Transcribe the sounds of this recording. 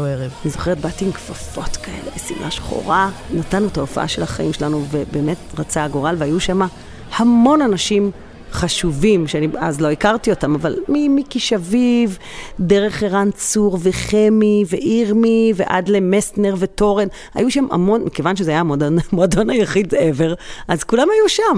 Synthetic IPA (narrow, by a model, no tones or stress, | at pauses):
oeʁevnizo̞χeʁet̪̚batiŋkfafo̞t̪kae̞̰lebesḭmʔaʃχo̞̰ʁanatanːutaofa̰ʔa̰ʃe̞laχa̰ʔimʃe̞lanuve̞beːme̞tʁat͡saːɡoʁalveajuʃama | hamo̞nanaʃim | χaʃuvimʃeania̰zlo̞ikaʁtio̞tamavalmimikiʃaviv | deʁe̞χeʁant͡suʁveχe̞miveʔiʁmivḛʔa̰dle̞mesneʁve̞to̞ʁe̞n | ha̰juʃama̰mo̞nmike̞vanʃ̬ezeajamodmoadonajaχideve̞ʁʔazkulamhajuʃam